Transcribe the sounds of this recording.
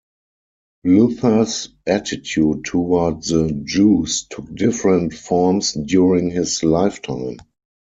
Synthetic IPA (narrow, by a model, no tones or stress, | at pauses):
luθə˞sʔætɪtʰjuːd̚tʰuatðəd͡ʒuːstʰʊk̚dɪfɹə̃ntfɔɹmsdjuɹɪ̃ŋhɪslaɪftʰã̰ɪ̃m